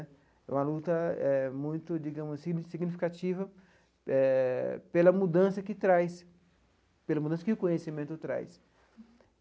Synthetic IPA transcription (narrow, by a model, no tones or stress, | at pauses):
ɛ̰ũmɐlut̪ɐɛmũj̃t̪ʊd͡ʒiɡɐ̃mʊsːiɡnsiɡnifi̥kat͡ʃivɐ | ɛpelɐmud̪ɐ̃sɐkɪt̪ɾajs | pelɐmud̪ɐ̃sɐkɪʊkõɲesimẽnt̪ʊt̪ɾa̰js